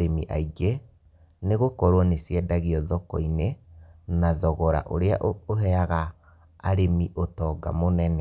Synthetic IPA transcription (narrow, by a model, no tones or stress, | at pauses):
ɾemiʔaiɡe | neɣokɔɾwɔnesiɛdaɣiɔðɔkɔinenaðɔɣɔɾa̰ʔoɾeaʔoɦɛaɣaː | ɾemiʔotɔːɡa̰monɛnɛ